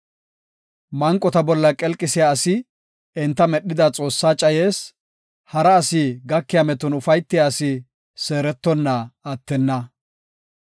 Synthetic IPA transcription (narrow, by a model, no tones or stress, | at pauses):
mɐŋkʼːɔt̪ɐbɔlːɐkʼɛlkʼːɪsɪjaɐsɪ | ɛnt̪ːɐmɛɗːɪd̪at͡sʼo̞ːsːaːt͡ʃʼɐjeːs | hɐɾɐːsiɡɐkːɪjamɛt̪ʊnʊfɐjt̪ːɪjaːsɪ | se̞ːɾɛt̪ːɔnːɐɐt̪ːɛnːɐ